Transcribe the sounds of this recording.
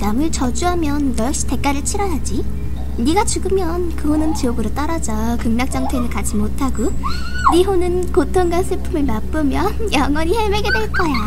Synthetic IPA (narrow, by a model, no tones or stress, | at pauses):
namɯɭt͡ɕʌd͡ʑuɦamjʌnːʌjʌkɕ͈i̥te̞k̚k͈aɾɯɭt͡ɕʰiɾʌjad͡ʑi | niɡat͡ɕuɡɯmjʌnkɯhonɯnt͡ɕioɡɯɾot͈aɾad͡ʑʌkɯŋnak̚t͡ɕ͈aŋtʰenɯɭkad͡ʑimotʰaɡo | niɦonɯnkotʰoŋɡansʰɯpʰumeɭmap͈ɯmjʌnjaŋwʌɲiheɭmeɡe̞dwe̞ɭk͈ʌja